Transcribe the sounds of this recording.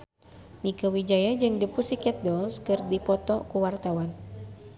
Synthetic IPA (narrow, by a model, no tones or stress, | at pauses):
mikəwid͡ʒajad͡ʒɨŋdəpusikɛt̪̚dɔlskɨrdipɔt̪ɔkuwart̪awan